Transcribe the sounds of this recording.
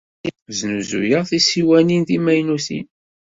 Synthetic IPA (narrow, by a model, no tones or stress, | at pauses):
vznuzṵjəʁθisiwæninθimæjnusḭn